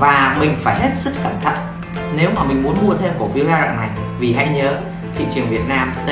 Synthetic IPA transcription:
vaː˨˩mï˨˩ŋ̟faː˧˩jhe˦˥t̚sɨ˦˥k̚xəː˧˩mt̪ʰə̰˧˨n | ne˨˦wmaː˨˩mï˨˩ŋ̟m˨˦ənmu˧ət̪ʰe˧mku˧˩fi˨˦əzaː˧ɾa̰ː˧˨na˨˩j | vi˨˩ɦa˧jɲəː˨˦ | t̪ʰḭ˧˨t͡ɕɨ˨˩ənvi˨˩ət̚naː˧m˧

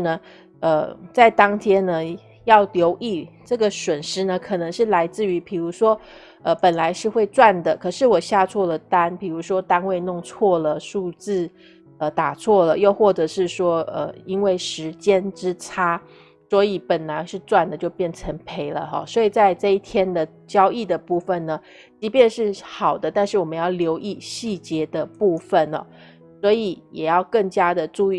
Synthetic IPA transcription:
nə˩ | ə˧t͡sa˥˩ɪt̪ɑ˥ŋt̪ʰjɛ˥nːə˧ | jɑ˥˩ʊljo˧˥ʊʔi˥˩ʈ͡ʂɤ˥˩ɡə˩swə˨˩nʂɻ̩˥nə˨kʰɤ˨˩nɤ˧˥ŋʂɻ̩˥˩la˧˥ɪt͡sɹ̩˥˩y˧˥pʰi˨˩ɻu˧˥ʂwɔ˥ | ə˧˩pə˨˩nla˧˥ɪʂɻ̩˥˧xwe˥˧ɪt͡swa˥˩nd̪ə˩kʰɤ˨˩ʂɻ̩˥˩wɔ˨˩ɕja˥˧t͡sʰwɔ˥˩lə˩t̪a˥npi˨˩ɻu˧˥ʂwɔ˥t̪a˥nwe˥˧ɪnʊ˥˧ŋt͡sʰwɔ˥˩lə˩ʂu˥˧t͡sɹ̩˥˩ | ə˩t̪a˨˩t͡sʰwɔ˥˩lə˩jo˥˧ʊxwɔ˥˩ʈ͡ʂɤ˧˦ʂɻ̩˥˩ʂwɔ˥ə˩i˥nwe˥˩ɪʂɻ̩˧˥t͡ɕjɛ˥nʈ͡ʂɻ̩˥t͡sʰa˥ | swɔ˧˥i˨˩pə˨˩nla˧˦ɪʂɻ̩˥˧t͡swa˥˩nd̪ə˩t͡ɕjo˥˧ʊpjɛ˥˩nʈ͡ʂʰə˧˥ŋpʰe˧˥ɪlə̰˧xɔ̰˥˧swɔ˧˥i˨˩t͡sa˥˧ɪʈ͡ʂɤ˥˧i˥˩t̪ʰjɛ˥nd̪ə˨ | t͡ɕjɑ˥ʊi˥˩d̪ə˩pu˥˩fə˨nnə˩ | t͡ɕi˧˥pjɛ˥˧nʂɻ̩˥˩xɑ˨˩ʊd̪ə˦t̪a˥˧nʂɻ̩˥˩wɔ˨˩mə˦njɑ˥˩ʊljo˧˥ʊʔi˥˧ɕi˥˩t͡ɕjɛ˧˥d̪ə˨pu˥˩fə˥˨nɔ̰˨˩ | swɔ˧˥i˨˦jɛ˨˩jɑ˥˧ʊkə˥˩ŋt͡ɕja˥d̪ə˨ʈ͡ʂu˥˧i˥˩

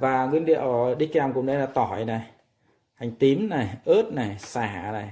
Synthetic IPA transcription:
vaː˨˩ŋwi˧ənɗḭ˧˨əwɗi˦˥kɛ˧˨˧wŋ͡mkʊ̰˧˨ŋ͡mnɗə˨˦laː˧˩t̪ɔ˨˩jna˨˩j | ha˨˩jŋ̟t̪i˨˦mna˨˩jʔə˦˥t̚na˨˩jsaː˨˧˩na˨˩j

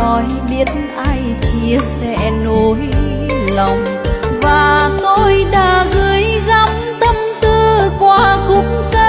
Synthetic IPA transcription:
ɔ˨˦jɓi˦˥ət̚nʔaː˧j | t͡ɕi˧əsɛ̰˧˥no˧j | lə˨˩wŋ͡m | vaː˨˩ŋo˧˩jɗaː˨˩ɣɨ˨əjɣa˧˦m | t̪ə˧mt̪ɨ˧kwaː˧kʊ̰˧˥ŋ͡mkə˧

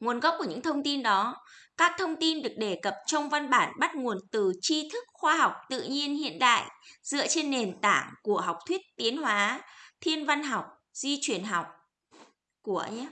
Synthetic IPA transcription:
ŋu˨˩ənɣɔ˦˥p̚ku˧˩ɲɨ̰˧˥ŋt̪ʰə˧wŋ͡mt̪i˧nɗɔ˨˦kaː˦˥k̚t̪ʰə˧wŋ͡mt̪i˧nɗɨ˨˩ək̚ɗe˧˩kə˨˩p̚t͡ɕɔ˧wŋ͡mva˧nɓaː˧˩nɓa˦˥t̚ŋu˨˩ənt̪ɨ˨˩t͡ɕi˧t̪ʰɨ˦˥k̚xwaː˧ɦa˨˩wk͡p̚t̪ɨ̰˧˨ɲi˧ənhḭ˧˨ənɗa̰ː˧˨jzɨ̰˧ət͡ɕe˧nːe˨˩nt̪aː˧˩ŋku˧˩əɦa˨˩wk͡p̚t̪ʰwi˦˥ət̚t̪i˨˦ənɦwaː˨˦t̪ʰi˧ənva˧nɦa˨˩wk͡p̚ | zi˧t͡ɕwi˨˧˩ənɦa˨˩wk͡p̚ | ku˧˩əɲaː˧˦

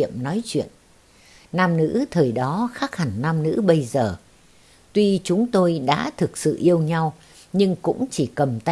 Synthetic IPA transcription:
əmnɔ˨˦jt͡ɕwḭ˧˨ən | naː˧mnɨ̰˧˥t̪ʰəː˨˩jɗɔ˨˦xaː˦˥k̚ha˨˩ŋnaː˧mnɨ̰˧˥ɓə˧jzəː˨˩ | t̪wi˧t͡ɕʊ˨˦ŋ͡mt̪o˧jɗa̰ː˧˥t̪ʰɨ˨˩k̚sɨ̰˧˨ʔi˧əwɲa˧w | ɲɨ˧ŋkʊ̰˧˥ŋ͡mt͡ɕi˧˩kə˨˩mt̪

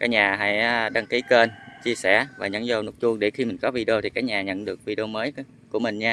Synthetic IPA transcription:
kaː˨˦˥k̚ɲaː˨˩ɦa̰˧˨jɗa˧ŋki˨˦ke˧nt͡ɕi˧əsɛ˧˩vaː˨˩ɲə̰˧˥nzo˧˩nu˨˦˥t̚t͡ɕu˧əŋɗe˧˩xi˧mï˨˩ŋ̟kɔ˨˦vi˧ɗe˧o˧t̪ʰi˨˩kaː˨˦˥k̚ɲaː˨˩ɲə̰˧˨nɗɨ˨˩ək̚vi˧ɗe˧o˧məː˨˦j | ku˧˩əmï˨˩ŋ̟ɲaː˧

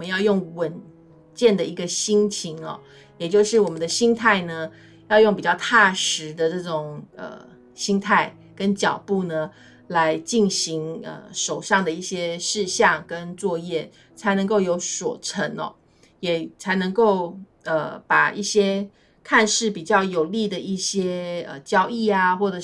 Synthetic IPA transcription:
wmə˦jɑ˥˧ʊjʊ˥˩ŋwə˨˩n | t͡ɕjɛ˥˩nd̪ə˩i˧˥ɡə˧ɕi˥ŋt͡ɕʰi˧˥ŋɔ̰˧ | jɛ˨˩t͡ɕjo˥˧ʊʂɻ̩˥˩wɔ˨˩mə˨˦nd̪ə˧ɕi˥ŋt̪ʰa˥˩ɪnə˩ | jɑ˥˧ʊjo˥˩ŋpi˨˩t͡ɕjɑ˥˧ʊt̪ʰa˥˩ʂɻ̩˧˥d̪ə˧ʈ͡ʂɤ˥˩ʈ͡ʂʊ˨˩ŋə̰˩ | ɕi˥ŋt̪ʰa˥˩ɪ | kə˦nt͡ɕjɑ˨˩ʊpu˥˩nə˩ | la˧˦˥ɪt͡ɕi˥˩nɕi˧˥ŋə̰˧ʂo˨˩ʊʂɑ˥˩ŋd̪ə˩i˥˩ɕjɛ˥ʂɻ̩˥˧ɕjɑ˥˩ŋkə˦nt͡swɔ˥˧jɛ˥˩ | t͡sʰa˧˥ɪnɤ˧˥ŋko˥˩ʊjo˧˥ʊswɔ̰˨˩ʈ͡ʂʰə˧˥nɔ̰˧ | jɛ˨˩t͡sʰa˧˥ɪnɤ˧˥ŋko˥˩ʊ | ə˧˩pa˨˩i˥˩ɕjɛ˥ | kʰa˥˧nʂɻ̩˥˩pi˨˩t͡ɕjɑ˥˩ʊjo˨˩ʊli˥˩d̪ə˩i˥˩ɕjɛ˥ə̰˨t͡ɕjɑ˥ʊi˥˩a˩xwɔ˥˩ʈ͡ʂɤ˨˩

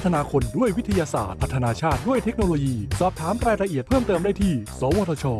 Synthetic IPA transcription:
t̪ʰːa˧naː˧kʰo˧ndu˥˩əjwi˦˥t̪ʰa˧jaː˧sa̰ː˨˩t̪̚ʰa˦˥t̪ʰːa˧naː˧t͡ɕʰaː˥˩t̪̚du˥˩əjt̪ʰe˦˥k̚noː˧loː˧jiː˧sɔː˨˩p̚t̪ʰaː˩˦mɾaː˧jɾa˧ʔi˨˩ət̪̚pʰɤː˥˩mt̪ɤː˧mdaː˥˩jt̪ʰiː˥˩sɔː˨˦woː˧t̪ʰɔː˧t͡ɕʰɔː˧

